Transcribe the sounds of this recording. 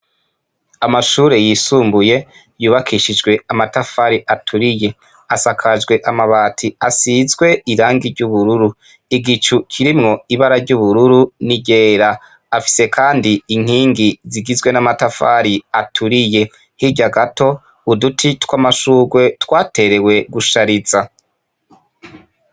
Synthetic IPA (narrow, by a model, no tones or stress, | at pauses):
amaʃuːɾe̞jisuːmbuje̞ | juːβakʰiʃid͡ʒɡwe̞amatafaːɾiʔatʰuɾije̞ | asakʰad͡ʒɡwe̞ʔamaβaːtʰiasizɡwe̞iɾaːŋɡiɾɟuβuɾuɾu | iɡit͡ʃukʰiɾimŋo̞iβaɾaɾɟuːβuɾuɾuniɟe̞ːɾaː | fi̥se̞kʰaːndiiŋ̥hiːŋɡiziɡizɡwe̞namatafaɾiatʰuɾije̞ | hiɟaɡato̞ | udutʰitkwamaʃuːɡwe̞twaːte̞ɾe̞we̞ɡuʃaɾiza